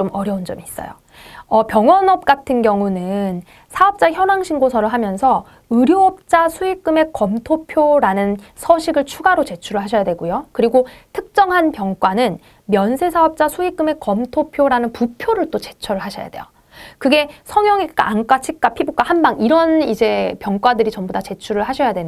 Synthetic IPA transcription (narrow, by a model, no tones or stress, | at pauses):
omʌɾjʌund͡ʑʌmiːs͈ʌ̰jo̰ | ʌpjʌŋwʌnʌp̚k͈atʰɯnɡjʌŋunɯn | sʰaʌp̚t͡ɕ͈açjʌnaŋɕʰiŋɡosʰʌɾɯɭɦamjʌnsʰʌ | ɯɾjoʌp̚t͡ɕ͈asʰuik͈ɯme̞kʌmtʰopʰjoɾanɯnsʰʌɕʰiɡɯɭt͡ɕʰuɡaɾot͡ɕe̞t͡ɕʰuɾɯɭɦaɕʰʌjadwe̞ɡujokɯɾiɡotʰɯk̚t͡ɕ͈ʌŋɦanpjʌŋk͈wanɯn | mjʌnsʰe̞sʰaʌp̚t͡ɕ͈asʰuik͈ɯme̞kʌmtʰopʰjoɾanɯnpupʰjoɾɯɭt͈ot͡ɕe̞t͡ɕʰʌɾɯɭɦaɕʰʌja̰dwe̞̰jo̰ | kɯɡe̞sʰʌŋjʌŋik͈a̰ank͈at͡ɕʰik̚k͈apʰibuk͈ahambaŋiɾʌnid͡ʑe̞pjʌŋk͈wadɯɾit͡ɕʌmbodat͡ɕe̞t͡ɕʰuɾɯɭɦaɕʰʌjadwe̞n